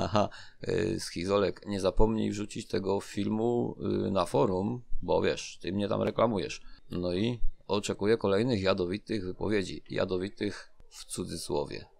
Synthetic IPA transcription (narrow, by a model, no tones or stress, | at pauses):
a̰xa̰ | sxʲizɔlɛkɲɛzapɔmɲijvʐut͡ɕit͡ɕt̪ɛɡɔfʲilmunafɔɾumbɔ̰vʲjɛ̰ʂt̪ɘmɲɛt̪a̰mɾɛklamujɛ̰ʂnɔiɔt͡ʂɛkujɛkɔlɛjnɘxjad̪ɔvʲit̪ɘɣvɘpɔ̰vʲjed͡ʑḭja̰d̪ɔvʲit̪ɘx | ft̪sud̪zɘswɔ̰vʲjɛ̰